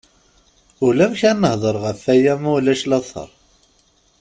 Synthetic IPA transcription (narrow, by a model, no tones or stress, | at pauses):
ʊlæmçænːəhðˤəɾˤʁəfːæjæmulæʃlɑθˤə̰ɾˤ